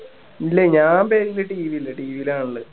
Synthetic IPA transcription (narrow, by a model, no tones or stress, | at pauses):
ilːeɲaːmpeːɾilːɐʈiːʋiilːɐʈiːʋiilaːɳuɭːɨ